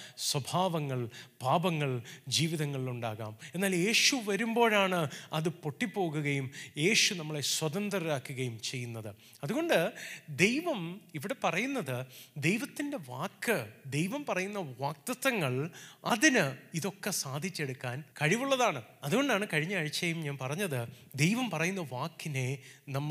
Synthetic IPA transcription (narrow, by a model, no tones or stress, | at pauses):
swɐbʱaːʋɐŋːɐɭb̥ʱaːbɐŋːɐɭd͡ʑiːʋiðɐŋːɐɭiluɳɖaːɣa̰ːme̞nːaːlje̞ːɕuʋɐɾumbo̞ːɻaːɳɨɐðɨpo̞ʈːipːo̞ːɣuɣɐjumje̞ːɕunɐmːɐɭe̞swɐðɐnd̪rɐɾaːkːuɣɐjumt͡ɕe̞jːunːɐðɨ | ɐðuɣo̞ɳɖɨd̪e̞jʋɐmiʋiɽe̞pɐrɐjunːɐðɨd̪e̞jʋɐt̪ːinde̞ʋaːkːɨd̪e̞jʋɐmpɐrɐjunːɐʋaːk̚t̪ɐt̪ːɐŋːɐɭɐðinɨiðo̞kːesaːd̪ʱit͡ɕːe̞ɽukːaːnkɐɻiʋuɭːɐðaːɳɨɐðuɣo̞ɳɖaːɳɨkɐɻiɲːɐːɻit͡ɕːɐjumɲaːnpɐrɐɲːɐðɨ | d̪e̞jʋɐmpɐrɐjunːɐʋaːkːine̞nɐmː